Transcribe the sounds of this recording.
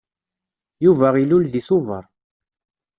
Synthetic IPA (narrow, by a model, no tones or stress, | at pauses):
juvæʁilulðiθuvəɾˤ